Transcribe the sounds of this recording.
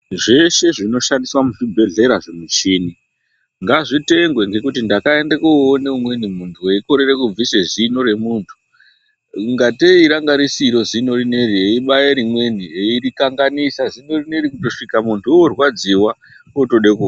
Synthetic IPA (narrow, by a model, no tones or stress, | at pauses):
ʐe̞ʃe̞ʐino̞ʃandiswamuʐibʱe̞ɮe̞ɾaʐemut͡ʃiːni | ŋɡaʐite̞ŋɡwe̞ŋɡe̞kutindakae̞ndekuoneumwe̞nimuntʰueiko̞ɾe̞re̞kub͡viseʐino̞ɾe̞muːntʰu̥ | ŋɡateiɾaŋɡaɾisiɾo̞zino̞rine̞ɾieiɓajeɾimwe̞nieirikaŋɡanisazino̞rineɾikuto̞ʂikamuntʰuorwad͡ziwa | oto̞ɗekua